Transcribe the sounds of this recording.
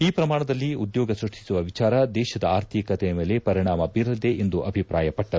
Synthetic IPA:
iːpɾɐmaːɳɐd̪ɐlːiud̪jɔːɡɐsɾuʂʈi̥suʋɐʋit͡ʃaːɾɐd̪ɛːʃɐd̪ɐaːɾt̪ʰikɐt̪ɛjɐme̞ːle̞pɐɾiɳaːmɐbiɾɐld̪eʔend̪uʔɐbʱipɾa̰ːjɐpɐʈːɐɾu

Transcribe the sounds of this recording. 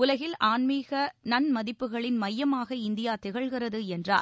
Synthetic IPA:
ʊlɐɣɪlʔaːnmiːɣɐnɐnmɐðɪpːɯɣɐɭɪnmɐjːɐmaːɣɐɪnd̪ɪjaːt̪ɪɣɐɭɣɪrɐðɯɛndra̰ː

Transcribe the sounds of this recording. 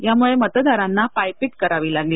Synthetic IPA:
jamuɭemət̪d̪aɾanːapajpiʈkəɾaʋiːlaɡli

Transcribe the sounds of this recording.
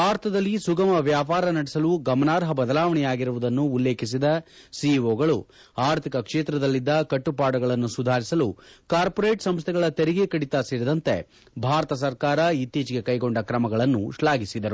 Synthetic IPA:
aːɾɐt̪ʰɐd̪ɐlːisuɡɐmɐʋjaːpaːɾɐnɐɽɛsɐluɡɐmɐnaːɾɦɐbɐd̪ɐlaːʋɐɳɛjaːɡiɾuʋud̪ɐnːuːlːe̞ːkʰis̬id̪ɐ | siʋoːɡɐɭu | aːɾt̪ʰikɐkʂeːt̪ɾɐd̪ɐlːid̪ːɐkɐʈːupaːɽɐɡɐɭɐnːusud̪ʱaːɾisɐlukaːɾpɔɾeːʈsɐmst̪ʰɛɡɐɭɐt̪eɾiɡekɐɽit̪aseːɾid̪ɐnt̪e̞̰ | bʱaːɾɐt̪ɐs̬ɐɾkaːɾɐit̪ːiːt͡ʃiɡe̞kɐjɡo̞ɳɖɐkɾɐmɐɡɐɭɐnːṵʃlaːɡisid̪ɐɾu

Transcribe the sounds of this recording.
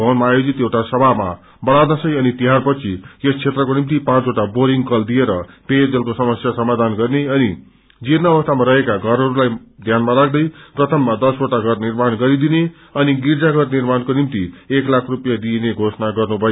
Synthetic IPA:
ʌnmaːjod͡zit̪ewʈasʌbʱama̰ | bʌɽanasʌjʌnit̪iɦarpʌt͡sʰijest͡sʰet̪rʌkonimt̪ipãt͡soʈaboɾiŋɡkʌld̪ieɾʌped͡zʌlkosʌmʌsjasʌmad̪ʱanɡʌrneʌni | d͡zinʌʌbʌst̪ʰamaɾʌɦekaɡʱʌɾɦʌɾulajd̪ʱjanmaɾak̚ʰd̪ʌjprʌt̪ʰʌmːad̪ʌsoʈaɡʱʌrnirmanɡʌɾid̪ine | ʌniɡird͡zaɡʱʌrnirmankonimt̪ieklakʰrupjad̪ineɡʱosʌnaɡʌrnubʱʌjo

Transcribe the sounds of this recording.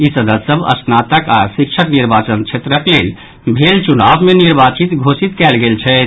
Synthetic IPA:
isəd̪əsəbə̰snat̪əkasik̚t͡ʃʰəkniɾbat͡ʃənt͡ʃʰet̪ɾəklel | bʱelt͡ʃunabmeniɾbat͡ʃit̪ɡʱosit̪kɛlɡelt͡ʃʰɛ

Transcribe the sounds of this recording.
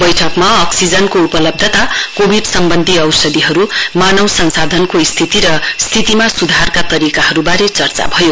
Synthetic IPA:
bʌjʈʰʌkmaːksid͡zʌnkoupʌlʌb̚d̪ʱʌt̪akobʱiɖsʌmbʌnd̪ʱiʌwsʌd̪iɦʌɾumanʌwsʌnsad̪ʱʌnkost̪ʰit̪iɾʌst̪ʰit̪imasud̪ʱarkat̪ʌɾikaɦʌɾubaɾet͡sʌrt͡sa̰bʱʌjo

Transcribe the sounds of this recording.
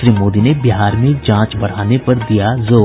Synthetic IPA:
ʃɾiːmoːd̪inebɪɦaːɾmẽd͡ʒãːt͡ʃbɐɽ̤aːnepɐɾd̪ijazoː

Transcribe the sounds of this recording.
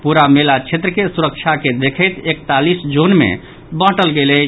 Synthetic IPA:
puɾamelat͡ʃʰet̪ɾəkesuɾək̚t͡ʃʰaked̪ekʰəjt̪ekt̪alisd͡ʒonmḛ | bə̃ɦʈəlɡelɛ

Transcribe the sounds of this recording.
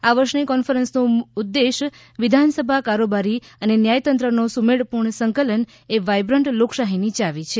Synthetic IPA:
aʋəɾʃnikɔnfəɾənsnoud̪ːeʃ | ʋɪd̪ʱansəbʱakaɾobaɾi | ənenjajt̪ənt̪ɾənosumeɽpuɳsəŋkələn | eʋajbɾəɳʈloksaɦinit͡ʃaʋit͡ʃʰe

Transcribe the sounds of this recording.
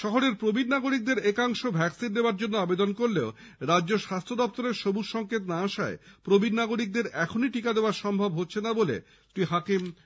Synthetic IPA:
ʃɔɦoɾeɾpɾobʱinnaɡoɾik̚d̪eɾekaŋʃobʱɛksinːebaɾd͡ʑonːoabed̪onkoɾleo | ɾadːd͡ʑoʃast̪ʰod̪ɔp̚t̪oɾeɾʃobuɾʃɔŋket̪naaʃaepɾobʱinnaɡoɾik̚d̪eɾɛkʰoniʈikad̪eoaɾʃɔmbʱobɦotːɕʰenabolḛ | t̪ɾiɦakim

